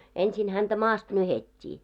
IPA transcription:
ensin hæntæ mɑːst nyhetʲːiː

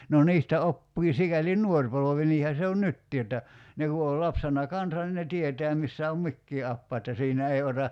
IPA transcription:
no niːstæ opːiː sikæli nˑuor poloʋi niːhæ se on nytːiː etːæ ne ku ol lɑpsenɑ kɑnsɑn nin ne tietɛæ misːæ om mikːiː ɑpːɑː etːæ siːnæ ei otɑ

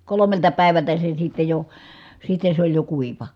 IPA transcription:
kolomeltɑ pæˑi̯ʋæltæ se sitːe jo sitːe sĕ olʲ jo kuiʋɑ

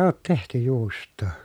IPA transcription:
oːt tehty juːstˑoː

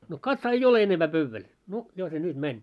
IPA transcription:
no kɑtsɑː ei ole enempæː pøʋːæl no jo se nyt mænʲ

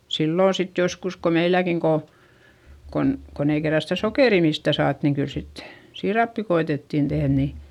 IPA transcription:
silːoˑ sit joskus ko meilːækiŋ ko kon kon ei kerːɑ sitæ sokeˑri mistæˑ sɑːt niŋ kyl sit siːrɑpːi koetetːiˑn tehð ni

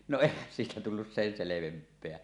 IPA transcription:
no eˑihæn siːtæ tulːus sen seleʋempˑeæ

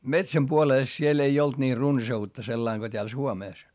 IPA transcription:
metsæm puoleˑs siel ei olt niː runsɑutːɑ selːɑiŋ ɡ̊o tʲeæl suomeˑs

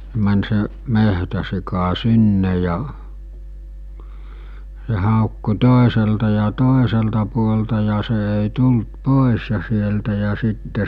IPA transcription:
mæn se mehtæsikɑ sinːe jɑ s̞e hɑˑokːu toˑeseltɑ jɑ toˑeseltɑ puoltɑ jɑ se eˑi tult poˑes jɑ sieltæ jɑ sitːe

